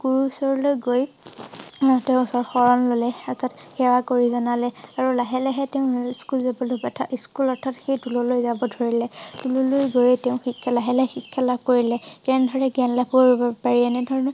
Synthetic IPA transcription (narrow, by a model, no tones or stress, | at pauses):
ɡ̥uɹusɔɹɔlojɡoj | teʊ̃sɔɹxɔɹɔnlolɛɔtʰatxɛwakoɹizɔnalɛaɹulaɦɛlɛɦɛteʊ̃skulzabɔlobatʰaʔiskulɔɹtʰatxejtulɔlojzabɔdʱoɹilɛtulɔlojɡojɛtɛʊ̃xikʰːalaɦɛlɛxikʰːjalab̚koɹilɛkɛndʱɔɹɛɡianlapuɹbɔpaɹiɛnɛdʱɔɹɔn